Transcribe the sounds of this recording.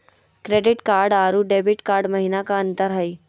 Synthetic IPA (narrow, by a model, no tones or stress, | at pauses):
kɾeɖiʈkaɾɖaɾuːɖebiʈkaɾɖməɦinakaənt̪əɾɦaj